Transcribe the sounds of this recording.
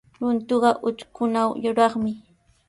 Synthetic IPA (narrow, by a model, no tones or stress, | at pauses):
ɾʊnt̪ʊɢɑʔʊt͡ʃkʊnawjʊɾɑχmɪ